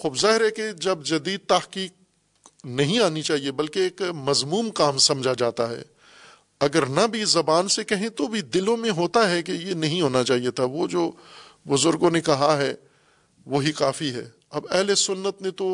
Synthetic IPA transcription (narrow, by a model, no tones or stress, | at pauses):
xuːbzaːɦɪɾɦɛked͡ʒɐbd͡ʒɐd̪iːd̪̚t̪ɐhkiːk̚ | nɐɦĩaːnit͡ʃaːɦiebɐlkeːkmɐzmuːmkãːmsɐ̃md͡ʒʱad͡ʒaːt̪aɦɛ̰ː | ɐɡəɾnabʱizɐbaːnsekɐɦẽt̪obʱid̪ɪlõmẽɦoːt̪aɦɛk̬ejenɐɦĩɦoːnat͡ʃaːɦijet̪ʰaʋod͡ʒoː | bʊzʊɾɡõnekɐɦaɦɛ | ʋoːɦikaːfiɦɛ̰ː | ɐbɛɦlesʊnːət̪nẽt̪o